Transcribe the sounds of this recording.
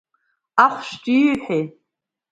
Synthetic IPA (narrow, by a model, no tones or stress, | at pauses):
aχʷʃt͡ʃʼiħe